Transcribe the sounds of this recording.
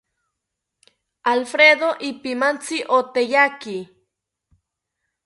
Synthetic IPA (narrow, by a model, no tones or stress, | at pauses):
alfɾeðoʔipimant͡siʔot̪ejaki